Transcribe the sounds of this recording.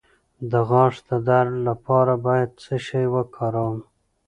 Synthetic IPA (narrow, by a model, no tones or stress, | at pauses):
d̪əɣɑʂd̪əd̪aɾlapɑɾabɑjad̪̚səʃajwəkʰɑɾəwm